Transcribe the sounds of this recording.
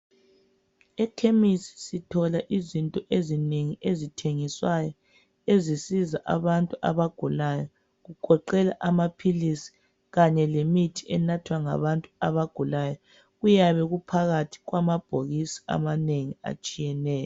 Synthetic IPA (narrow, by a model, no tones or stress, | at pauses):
ɛkʰemisi̥sitʰɔlaʔizintʼɔʔezineŋiʔezitʰeŋiswajɔ | ezisizaʔa̰βantʼuʔa̰βaɡ̥ʱulajɔ | ɣuɡ̥ʱɔǃɛla̰ʔamapʰilisi̥ | ɣaɲɛlemitʰiɛnatʰwaŋa̰βantʼuaβaɡ̥ʱulajɔ | ɣujaβɛɣupʰaɣatʰi̥ɣwamab̥ʱoɣisi̥a̰maneŋia̰t͡ʃʼijɛnɛːjɔ